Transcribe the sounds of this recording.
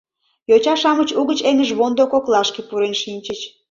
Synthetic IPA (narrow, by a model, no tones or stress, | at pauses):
jot͡ɕɑʃɑmət͡ɕuɣət͡ɕeŋəʒβond̪okoklɑʃkepuɾenʃinʲt͡ɕət͡ɕ